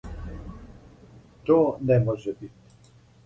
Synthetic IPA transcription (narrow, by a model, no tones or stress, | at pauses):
t̪onɛmɔʒɛbit̪